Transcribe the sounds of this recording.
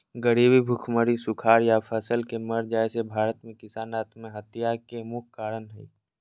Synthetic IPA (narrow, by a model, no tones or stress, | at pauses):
ɡəɾiːbibʱʊkʰməɾisʊkʰaːɾjapʰəsəlkeməɾd͡ʒaːesebʱaːɾət̪mẽkɪsaːnaːt̪mẽɦɐt̪ijakemʊkʰkaːɾənɦɛi